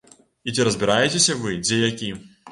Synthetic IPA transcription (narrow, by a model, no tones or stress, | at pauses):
it͡sʲiɾɐzʲbʲiɾajet͡sʲesʲɐvɨd͡zʲɛjakʲi